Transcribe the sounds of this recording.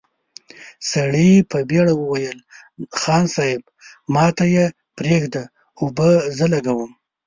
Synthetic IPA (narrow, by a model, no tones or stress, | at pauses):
saɽipəbeɽawəwajəl | xɑnsɑɪb | mɑt̪aje | pɾeɡd̪a | ʊbəzəlaɡawəm